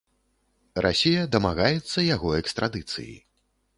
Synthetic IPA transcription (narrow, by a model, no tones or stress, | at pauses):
rʔa̰sʲijɐd̪ɐmaɣajɛt̪sːɐjaɣɔɛkst̪ɾad̪ɨt̪sɨ̰jḭ